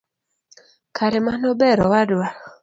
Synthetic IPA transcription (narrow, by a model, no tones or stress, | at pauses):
kaɾɛmanɔbɛɾɔwadwa